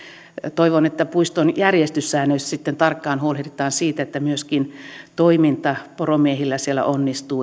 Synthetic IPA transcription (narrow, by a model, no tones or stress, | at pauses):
t̪oiʋonet̪ːæpuist̪onjærjest̪ysːæːnøissit̪ːent̪ɑrkːɑːnhuolet̪et̪ɑːnsiːt̪æet̪ːæmyøskint̪oimint̪ɑporomiehilːæsielːæ̰ʔonːist̪uː